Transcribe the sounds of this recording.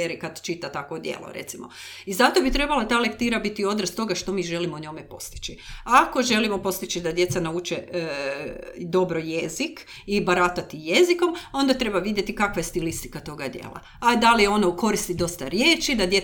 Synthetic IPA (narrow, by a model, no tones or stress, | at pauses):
eɾikad̪t͡ʃit̪at̪akʋod̪jḛlo̞̰ɾḛt̪simo̞̰ | izat̪obit̪ɾe̞balat̪aːlekt̪iːɾabit̪io̞d̪ɾest̪o̞ɡaʃt̪o̞miːʒe̞limoɲo̞mepo̞̰st̪i̥t͡ʃiako̞ʒe̞limo̞po̞st̪it͡ʃid̪ad̪je̞t̪sanaut͡ʃe | d̪o̞bɾoje̞zik | ibaɾat̪at̪ije̞ziko̞mo̞nd̪at̪ɾe̞baʋid̪je̞t̪ikakʋajest̪ilist̪i̥kat̪o̞ɡad̪jḛːlˠa̰ | ad̪alijo̞noko̞ɾist̪id̪o̞st̪aɾjeːt͡ʃid̪ad̪je